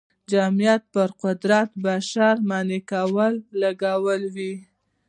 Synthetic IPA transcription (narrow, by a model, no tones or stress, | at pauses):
d͡ʒamijat̪̚pəɾqʊd̪ɾat̪baʃaɾmɑnikawəlːaɡawəlwi